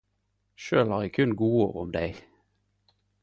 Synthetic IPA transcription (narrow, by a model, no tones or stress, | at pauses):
ʃøːlhɑːʁɛkʰʉnɡuːoːʁʊ̰md̪eɪ